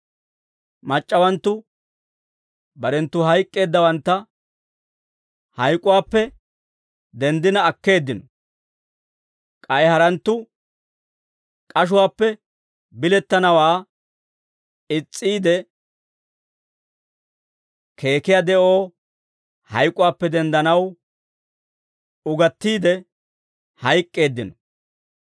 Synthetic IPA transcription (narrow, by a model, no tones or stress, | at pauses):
mɐt͡ʃʼːɐwɐnt̪ːʊ | bɐɾɛnt̪ːʊhɐjkʼːe̞ːd̪ːɐwɐnt̪ːɐ | hɐjkʼːʊwaːpːɛ | d̪ɛnd̪ɪnɐːkːe̞ːd̪ːɪnɔ | kʼɐjhɐɾɐnt̪ːʊ | kʼɐʃ̬ʊwaːpːɛ | bɪlɛt̪ːɐnɐwaː | ɪt͡sʼːiːd̪ɛ | kʰe̞ːkɪjad̪ɛʔo̞ː | hɐjkʼʊwaːpːɛd̪ɛnd̪ɐnɐw | ʊɡɐt̪ːiːd̪ɛ | hɐjkʼːe̞ːd̪ːɪnɔ